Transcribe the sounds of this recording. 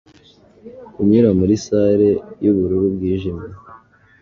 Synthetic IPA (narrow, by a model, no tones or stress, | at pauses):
kumɲiɾamuɾisaɾejuβuɾuɾubɡiːʒime